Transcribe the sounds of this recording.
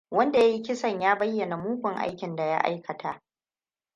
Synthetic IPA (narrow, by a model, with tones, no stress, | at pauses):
wɐ˦nda˨ja˦ji˦kʲɪ˦sɐ˦˨ɲjaː˦bɐ˦jːɐ˨na˨muː˦kʷʊ˨ŋʔa̰˦jkʲɪ˨nda˨ja˦ʔa̰˦jkʰɐ˨tʰa˨ʔ